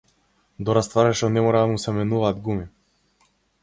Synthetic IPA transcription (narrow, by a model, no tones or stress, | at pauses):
d̪ɔɾast̪vaɾɛʃɔnɛmɔɾad̪amusɛmɛnuvaːd̪ɡumi